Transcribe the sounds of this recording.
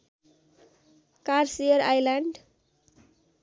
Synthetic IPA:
karsijʌɾajlaɳɖ

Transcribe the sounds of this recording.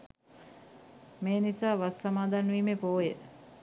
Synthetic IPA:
meːnisaːʋasːɐmaːd̪anʋiːmepoːje

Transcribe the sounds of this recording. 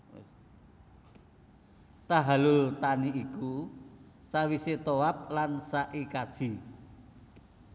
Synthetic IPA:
t̪aɦalʊlt̪aniiku | sawiset̪oap̚lansaʔikad̥ʒ̥i̤

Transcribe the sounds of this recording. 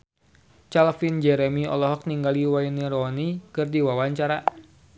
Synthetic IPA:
t͡ʃalfind͡ʒɛɾɛmiɔ̰lɔɦɔk̚niŋɡaliwainiɾɔnikɨrdiwawaɲt͡ʃaɾa

